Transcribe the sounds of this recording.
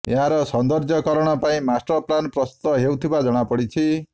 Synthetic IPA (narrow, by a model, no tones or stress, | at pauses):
ḛɦaɾɔsɔnd̪ɔɾd͡ʒɔkɔɾɔɽ̃ɔpaĩmasʈɔplanpɾɔst̪u̥t̪ɔɦewt̪ʰibad͡ʒɔɽ̃apɔɽit͡ʃʰi